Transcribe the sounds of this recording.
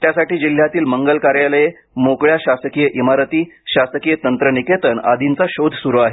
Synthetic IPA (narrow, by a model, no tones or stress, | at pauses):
t̪jasaʈiːd͡ʑil̤ːjat̪iːlməŋɡəlkaɾjaləje | mokɭjaɕasəkijəʔimaɾət̪iːɕasəkijət̪ənt̪ɾəniket̪əna̰d̪ʱint͡saɕod̪ʱsuɾuaɦe